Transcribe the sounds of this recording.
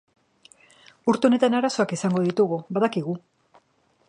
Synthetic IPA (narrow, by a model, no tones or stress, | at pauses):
uɾt̪eo̞ne̞t̪anaɾaso̞akisaŋɡo̞ð̞it̪uɣuβaðakiɣu